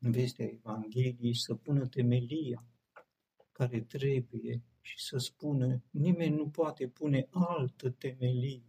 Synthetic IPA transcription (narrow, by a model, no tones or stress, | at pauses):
ɨnve̞st̪eaevaŋɡʲe̞lijejsəpunət̪e̞me̞lia | kaɾe̞t̪ɾe̞buje̞ | ʃi̥səspunənime̞nʲːupoat̪e̞pune̞ʔalt̪ət̪e̞me̞li